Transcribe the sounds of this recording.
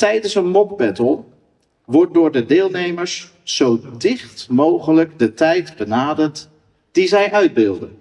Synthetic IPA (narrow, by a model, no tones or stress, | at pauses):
tɛjdənsənmɔp̚bɛtəlˠ | ʋɔɹt̚dʊːɹdədɪːlˠnejməɹs | sowdɪχtmowχələɡdətɛjtbənaːdəɹt | d̥izɛjʔœɥd̚bɪlˠdən